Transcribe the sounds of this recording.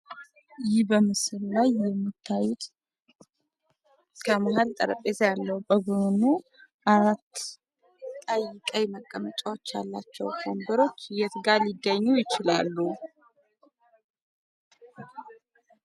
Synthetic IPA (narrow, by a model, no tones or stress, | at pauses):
jɪhbəmɨsɨllajːɛmːɨt̪ʰːajɪt̪ | kʰəmahalt̪ʼəɾəpʼːezjalːəwubəɡɨnu | ʔaɾat̪ː | əjɪkʼajməkʼːəmət͡ʃʼawot͡ʃːjalːa̰t͡ʃːɛ̰wfomb̪əɾo̞t͡ʃːjɛt̪ɡalɪɡːəɲːujɪt͡ʃɪla̰lːu